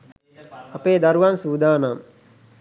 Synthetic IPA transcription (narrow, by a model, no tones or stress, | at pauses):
ɐpeːd̪aɾuʋansuːd̪aːnam